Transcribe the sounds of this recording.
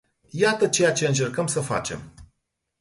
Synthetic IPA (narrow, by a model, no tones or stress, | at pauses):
jat̪ət͡ʃe̞jat͡ʃe̞ɨnt͡ʃe̞rkəmsəfa̰t͡ʃe̞m